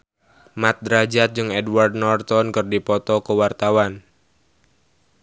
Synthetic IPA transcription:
mat̪̚d̪ɾad͡ʒat̪̚d͡ʒɨŋɛdward̚nɔrt̪ɔnkɨrdipɔt̪ɔkəwart̪awan

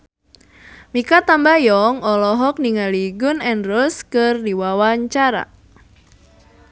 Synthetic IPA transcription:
mikat̪ambajɔŋɔlɔɦɔk̚niŋaliɡunɛnrʊskɨrdiwawaɲt͡ʃaɾa̰

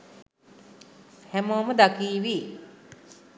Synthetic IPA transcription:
hɛmoːmɐd̪akiːʋi

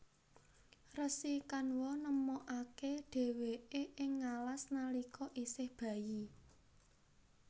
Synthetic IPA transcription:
rəsikanwɔnəmɔʔakeɖ̥e̤weeʔɪŋːalasnalikɔʔisɪhb̥ä̤ji

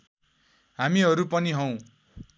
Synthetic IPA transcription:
ɦamiɦʌɾupʌniɦʌw̃

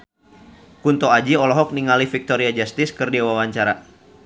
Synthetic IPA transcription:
kunt̪oad͡ʒiɔlɔɦɔk̚niŋalifik̚t̪oɾiad͡ʒast̪ɪskɨrdiawawaɲt͡ʃaɾa

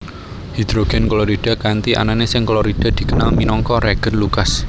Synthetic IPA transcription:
hid̪̥ɾoɡ̥ɛ̤nklɔɾid̥a̤kant̪iʔa̰nanesɪŋklɔɾid̥a̤d̪̥i̤kənalminɔŋkɔɾeɡ̥ə̤nlukas

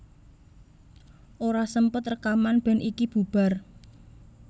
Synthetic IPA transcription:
ʔoɾasəmpət̪rəkamanb̥ɛ̤nʔikib̥ṳb̥a̤r

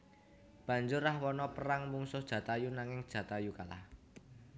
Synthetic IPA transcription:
b̥ä̤ɲd͡ʒʊrːahwɔnɔpəɾaŋmuŋsʊhd̥ʒ̥ä̤t̪ajunaŋɪŋd̥ʒ̥ä̤t̪ajukala̰h

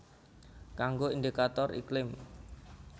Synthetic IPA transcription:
kaŋɡoind̪ikat̪ɔrḭklɪm

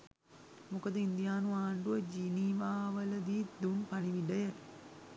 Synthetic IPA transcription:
mukəd̪əind̪ijaːnuaːɳɖuəd͡ʒiniʋaːʋələd̪iːd̪unpaniʋiɖəjə

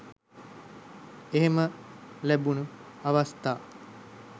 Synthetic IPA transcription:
eɦeməlæbunuaʋast̪aː

